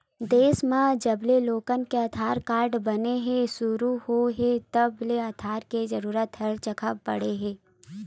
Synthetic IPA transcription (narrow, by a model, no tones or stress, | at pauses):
d̪eːsmãd͡ʒɐbleloːkənkeɐt̪ʰaːɾkaːɾɖbɐneɦẽsʊɾuhoɦẽt̪əbleat̪ʰaːɾkezɐɾuːɾət̪ɦɐlt͡ʃəkʰəbɐ̰ɽeɦẽː